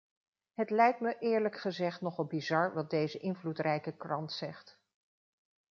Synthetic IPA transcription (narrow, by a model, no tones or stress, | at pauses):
ɦətlɛjk̚tməʔɪːɹləkχəzɛχtnɔχɑlˠbizɑɹʋɑt̚dejzəʔɪnvlutrɛjkəkrɑntsɛχt